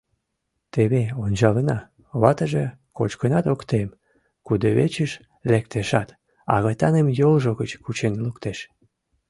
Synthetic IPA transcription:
t̪eβeonʲt͡ɕɑlənɑ | βɑt̪əʒekot͡ɕkənɑt̪okt̪em | kud̪oβet͡ɕəʃ | lek̚t̪eʃɑt̪ | ɑ̰ɣɑjt̪ɑnemjolʒoɣət͡ɕkut͡ɕenlukt̪eʃ

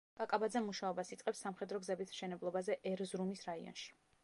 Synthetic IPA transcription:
ɡ̥ʼakʼabad̪zɛmuʃaɔbasit̪sʼɛpsːamχɛd̪ɾɔɡzɛbismʃɛnɛblˠɔbazɛʔɛɾzɾumisɾaḭɔ̰nʃi̥

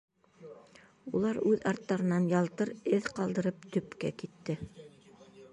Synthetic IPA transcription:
ulˠɑɾʉðɑɾt̪ːɑɾɤ̆nɑnjɑlˠt̪ɤɾɘðqɑlˠd̪ɤ̆ɾɤp̚t̪ɵ̆pkæ̰kit̪ːɘ

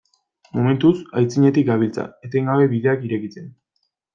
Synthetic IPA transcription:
mo̞me̞nt̪usajt͡siɲe̞t̪ik̚ɡaβ̞ilt͡sa̰e̞t̪eŋɡaβe̞βiðe̞akiɾe̞kit͡se̞n

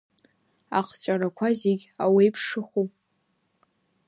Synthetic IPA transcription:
a̰qʰt͡ɕʷʼaɾakʷʰazeɡʲawejpʰʂɨχu

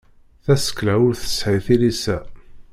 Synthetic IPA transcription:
θæsə̥klæwʊɾθə̥sħiθilisæ

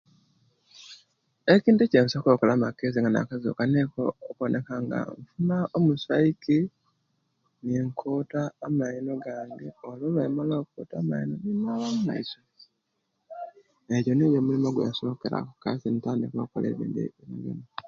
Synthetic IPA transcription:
eciːntuceːnsokokelamakːeziŋɡana̰kazo̰ːkanekoːkuonʔekaŋɡa̰ɱfunaʔomusaiki | neŋkʰoːtaːmaino̞ɡaːŋɡe̞oloβemaloːkukotaːmainoβimaβamuna̰iso | ejonejomulimoɡwḛso̞ːke̞ɾa̰kukasinitanekuβa̰ko̰lḛβḭːndḭeβiɡḛni

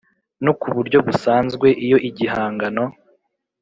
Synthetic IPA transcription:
nokuβuɾɟo̞βusaːnzɡwe̞ʔijo̞ʔiɟiɦaːŋɡano̞

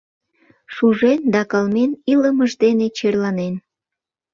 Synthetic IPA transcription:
ʃuʒend̪ɑkəlmeniləməʒd̪enet͡ɕerlɑnen

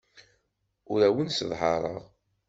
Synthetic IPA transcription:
ʊɾæwənsðˤɦɑɾˤəʁ

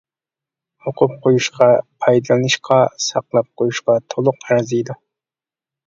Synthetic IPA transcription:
oqʰʊp̚qʰojuʃqʰɑpʰɑjd̪ɨlˠɨnɨʃqʰɑsɑqlˠɑp̚qʰojuʃqɑt̪ʰolˠʊqæɾzɨjd̪u

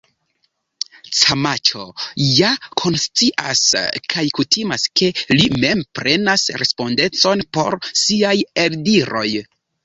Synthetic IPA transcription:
t͡samat͡ʃo̞̰jakʰo̞nst͡siʔa̰skʰajkutʰimaskʰe̞lime̞mpɾʔe̞nasɾe̞spo̞nde̞t͡so̞npo̞̰ɾsiajeldiɾo̞j

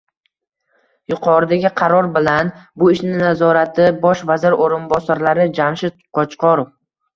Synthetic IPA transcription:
jʊqʰɒɾɪd̪aɡʲɪqʰɑɾɒɾbɪlanbʊɪʃnɪnazɒɾat̪ʰɪbɒʃvazɪɾoɾɪnbɒsaɾlaɾɪd͡ʒamʃɪt̪̚qʰɒt͡ʃqɒɾof

